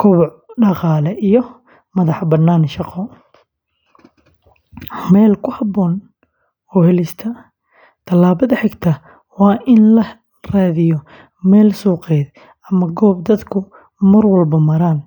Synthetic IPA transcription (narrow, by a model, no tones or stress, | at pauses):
kʰʊβɔʕ | ɖɑqɑːlɛʔijɔ | mɐðɑħbɐnːaːnʃɑqɔ | mɛːlkʰʊhɑbɔːn | ɔːhɛlɪst̪ʰɐ | t̪ʰɐlːaːβɐðɐħɛɡt̪ʰɐ | wɑːʔɪnlɐ | raːðɪjɔ | mɛːlsuːqɛːd̪ | ɐmɐɡɔːb̚d̪ɐd̪kʰʊ | mɐrwɐlbɐmɐɾaːn